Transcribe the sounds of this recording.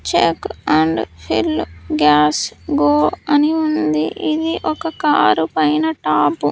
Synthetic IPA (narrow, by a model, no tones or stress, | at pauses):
t͡ʃḛkːɐɳɖpʰḭlɡaːsɡoːɐniund̪iʔid̪iʔɔkɐkaːɾupɐjnɐʈaːpu